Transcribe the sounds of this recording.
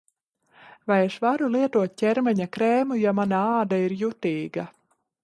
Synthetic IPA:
vajɛʃvaɾulˠiɛt̪uɔt̪̚ʲcʲɛɾmɛɲakɾɛːmujamanaaːd̪aiɾjut̪iːɡa

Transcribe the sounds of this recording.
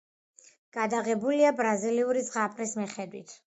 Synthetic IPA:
ɡ̥ad̪aʁɛbuliabɾaziliuɾizʁapʼɾismiχɛd̪wḭt̪ʰ

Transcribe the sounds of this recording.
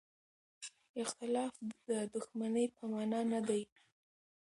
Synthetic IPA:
ɪxt̪ɪlɑfd̪̥əd̪ʊxmanəjpəmɑnɑnad̪aj

